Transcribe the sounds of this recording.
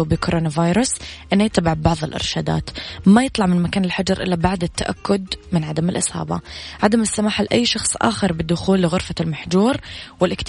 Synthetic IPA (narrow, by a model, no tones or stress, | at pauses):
bɪkʊɾˤʔoːnavaːjɾˤʊsʔɪnːajɪt̪ːabɪʕbbɑʕðˤɪlʔɪ̰ɾʃaːd̪a̰ːt̪majɨt̪ˤlɑʕmɪnmakaːnɪlħad͡ʒɑɾˤʔɪ̰lːabaʕd̪ɪt̪ːaʔa̰kːʊd̪mɪnʕad̪amɪlʔɪshɑ̰ːbɑ̰ʕad̪amɪsːamaːħalʔajːʃɑxsˤʔa̰ːxɪɾˤbɪd̪ːʊxuːlːɪɣʊɾfalmaħd͡ʒuːɾwɪlʔɪkt̪